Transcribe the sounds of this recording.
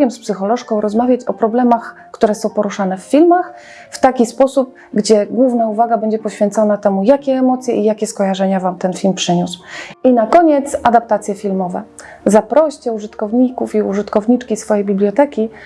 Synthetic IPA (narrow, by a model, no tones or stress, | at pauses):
ɛmspsɘxɔlɔʂkɔ̃w̃ɾɔzmavʲjat͡ɕɔpɾɔblɛmax | kt̪uɾɛsɔ̃w̃pɔɾuʂanɛfːʲilmax | ft̪akʲispɔsup̚ | ɡd͡ʑɛɡwuvnauvaɡabɛɲd͡ʑɛpɔɕfʲjɛnt̪sɔnat̪ɛmujakʲɛːmɔt̪sʲjɛ̰ʔijakʲɛskɔjaʐɛɲavamt̪ɛnfʲilmpʂɘɲuswinakɔɲɛt̪sad̪ap̚t̪at̪sʲjɛfʲilmɔvɛ̰ | zapɾɔɕt͡ɕɛuʐɘt̪kɔvɲikufiuʐɘt̪kɔvɲit͡ʂkʲisfɔjejbʲiblʲjɔt̪ɛkʲi